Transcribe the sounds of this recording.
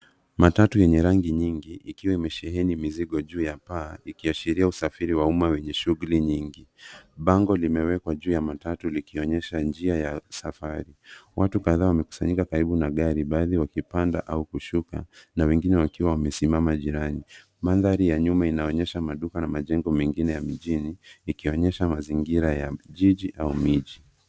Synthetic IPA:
matatujɛɲɛɾaŋɡiɲiŋɡiʔikiwaimɛʃɛɦɛnimiziɠɔʄuːjapaːikiaʃiɾiausafiɾiwaumawɛɲɛʃuɣuliɲiŋɡiɓaŋɡɔlimɛwɛkwaʄuːjamatatulikiɔɲɛʃand͡ʒiajasafaɾiwʔatukaðaːwamɛku̥saɲikakaɾiɓunaɠaɾiɓaːðiwakipanda̰ʔaukuʃuka̰nawɛŋɡinɛwakiwawamɛsimamaʄiɾani | manðaɾijaɲumainaɔɲɛʃamaɗukanamaʄɛŋɡɔmɛŋɡinɛjamiʄiniːkiɔɲɛʃamaziŋɡiɾajaʄiʄiʔaumiʄi

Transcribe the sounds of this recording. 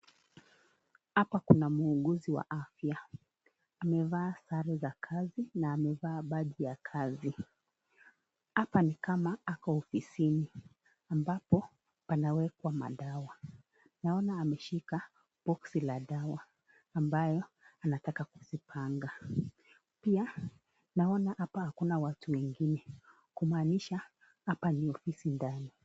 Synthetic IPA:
hapakunamuːɠuziwa̰ʔafjaː | mɛvaːsaɾɛzakʰazinaːmɛvaːɓaɗijakʰazi | hapanikamaakɔɔfisini | ambapɔ | panawɛkwama̰ɗawa | naɔnaːmɛʃika | bɔksilaɗawaː | mbajɔ | anatakaku̥zipʰaŋɡa | pia | naɔnahapahakunawatuwɛŋɡinɛ | kumaːniʃa | apaniɔfisindani

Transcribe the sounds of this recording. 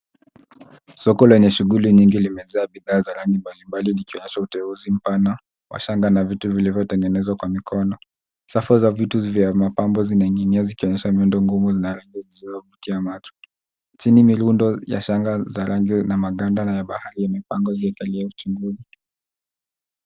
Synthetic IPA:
sɔkɔlwɛɲɛʃuɣuliɲiŋɡilimɛzɛaɓiðaːzaɾaŋɡimbalimbalinikiɔɲɛʃautɛuzim̩pana | wa̰ʃaŋɡanavituvilivjɔtɛŋɡɛnɛzwakwamikʰɔnɔ | safɔzavituvjamapambɔzinaŋiniazikiɔɲɛʃamiundɔŋɡumuzinaɾaŋɡiziziɔvutiamat͡ʃu̥ | t͡ʃinimiɾundɔja̰ʃaŋɡazaɾaŋɡinamaɠandanajaɓahaɾijamipaŋɡɔziɛkaliaut͡ʃuŋɡuzi

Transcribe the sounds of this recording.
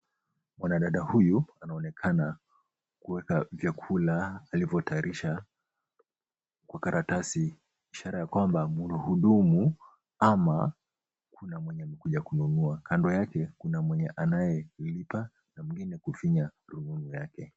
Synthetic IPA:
mwanaɗaɗahujuanaɔnɛkʰana | kuwɛkavjakʰulaːlivɔtaiɾiʃa | kwakaɾʔatasiː | ʃaɾajakwambamuluhuɗumu | ama | kʰunamwɛɲɛmɛkuʄakununuakandɔjakɛkunamwɛɲɛʔanajɛlipa | namiŋɡinɛkufiɲaɾumunujakɛ

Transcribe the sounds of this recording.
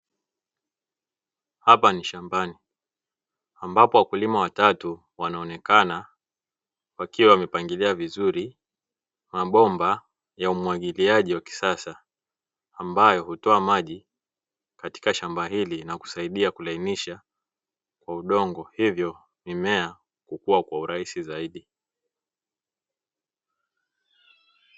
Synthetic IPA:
hapaniʃambani | ambapɔwakulimawatatu | wanaɔnɛkana | wakiwawmɛpaŋɡiliavizuɾi | maɓɔmba | jaumwaɠiliaʄiwaki̥sasaː | mbajɔhutɔamaʄi | kati̥kaʃambaɦilinaku̥saiɗiakulainiʃa | kwauɗɔŋɡɔhivjɔ | mimɛa | kukuwakwauɾaisizaiɗi

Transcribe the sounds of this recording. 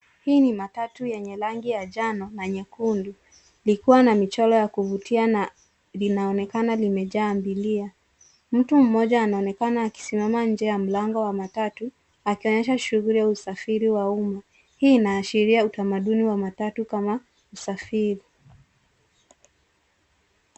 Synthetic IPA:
hiːnimatatujɛɲɛlaŋɡijaʄanɔnaɲɛkundu | likuwanamit͡ʃɔlɔjakuvutʰiana | linaɔnɛkanalimɛʄaːmbilia | m̩tum̩mɔʄaːnaɔnɛkanaːki̥simamaɲ̩d͡ʒɛjam̩laŋɡɔwamatatu | akiɔɲɛʃaʃuɣulijausafiɾiwauma | hiːnaːʃiɾiautamaɗuniwamatatukama | usafiɾi

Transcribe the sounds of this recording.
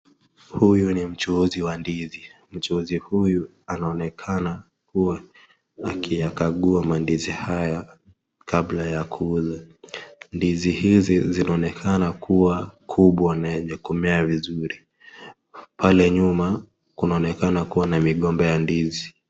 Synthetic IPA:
hujunim̩t͡ʃuziwandizi | m̩t͡ʃuzihuju | anaɔnɛkʰana | kuwaː | kijakaɠuamandizihaja | kablajakʰuuza | ndizihizizinaɔnɛkʰanakʰuwakʰuɓwanaʄɛkumɛavizuɾi | palɛɲuma | kunaɔnɛkanakuwanamiɠɔmbɛjandizi

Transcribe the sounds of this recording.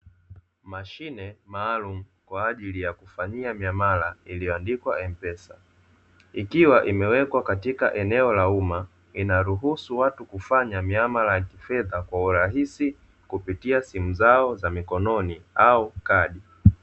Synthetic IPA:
maʃinɛmaːlum̩ | kwaːʄilijakufaɲiamiamalailijɔandikwaʔɛm̩pɛsa | ikiwaʔimɛwɛkwakatikaʔɛnɛɔlauma | inaɾuɦusuwatukufaɲamiamalajakifɛðakwauɾaɦisi | kupitiasimuzaɔzamikɔnɔniaukaɗi

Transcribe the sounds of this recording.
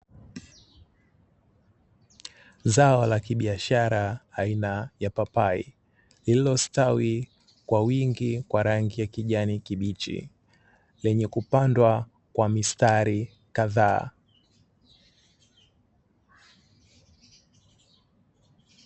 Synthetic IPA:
zaɔlakiɓiaʃaɾaːinajapapaḭ | lililɔstawi | kwawiŋɡikwaɾaŋɡijakiʄanikiɓit͡ʃḭ | lɛɲɛkupandwa | kwamistaɾi | kaðaː

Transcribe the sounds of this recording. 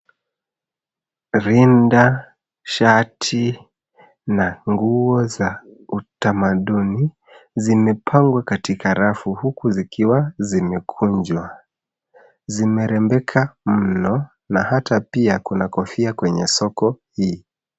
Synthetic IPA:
ɾinda | ʃatʰi | naŋɡuɔzautamaɗuni | zimɛpʰaŋɡwakatikaɾafuhukuzikiwazimɛkʰuɲd͡ʒwa | zimɛɾɛmbɛkʰam̩nɔ | nahatapiakunakɔfiakwɛɲɛsɔkɔhiː

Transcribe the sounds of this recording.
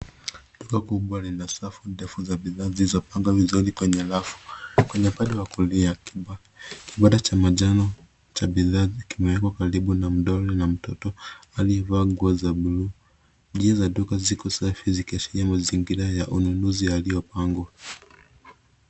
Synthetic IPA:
ɗukakuɓwalinasafudɛfuzaɓiðaːzilizɔpaŋɡwavizuɾikwɛɲɛlafu̥kwɛɲɛm̩paɗɛwakulia | kʰiɓaɗat͡ʃamaʄanɔ | t͡ʃabiðaːkimɛwɛkɔkaɾiɓunam̩ɗɔɾɛnam̩tɔtɔaliɛvaːɡuɔzaulu | ʄiazaɗukazikɔsafizikiat͡ʃiɾiamaziŋɡiɾajaʔununuzialijɔpaŋɡwa

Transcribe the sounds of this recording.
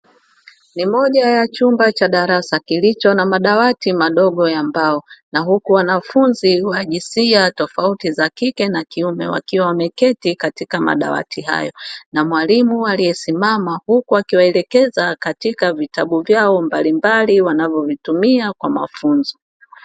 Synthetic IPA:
nimɔʄajat͡ʃumbat͡ʃaɗaɾasakilit͡ʃɔnamaɗawatimaɗɔɠɔjambaɔnaɦukuwanafunziwaʄisiatɔfautizakikɛnakiumɛ̰wa̰kiwawamɛkɛtikatikama̰ɗa̰wa̰tʰiɦa̰jɔnamwalimualijɛsimamahukuakiwaɛlɛkɛzakatikavitaɓuvjaɔmbalimbaliwanavjɔvitumiakwama̰funzɔ

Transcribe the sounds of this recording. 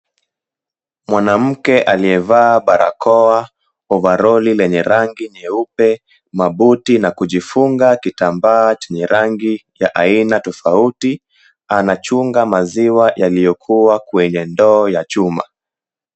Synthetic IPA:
mwanam̩kɛʔaliɛvaːɓaɾʔa̰kɔa | ɔvaɾɔlilɛɲɛɾaŋɡiɲɛupɛ | maɓutinakuʄifuŋɡakitambaːt͡ʃɛɲɛɾaŋɡijaʔainatɔfauti | anat͡ʃuŋɡamaziwajalijɔkʰuwakwɛɲɛndɔːjat͡ʃuma̰

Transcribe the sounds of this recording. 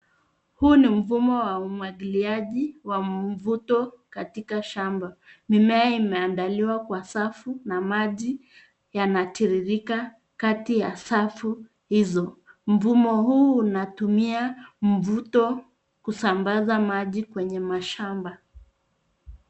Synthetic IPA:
huːnim̩vumɔwaumwaɠiliaʄiwavutɔkatikaʃambamimɛaimɛandaliwakwasafunamaʄi | janatiɾiɾika | katija̰safu | hizɔm̩vumɔhuːnatumiam̩vutɔ | kusambazamaʄikwɛɲɛmaʃamba

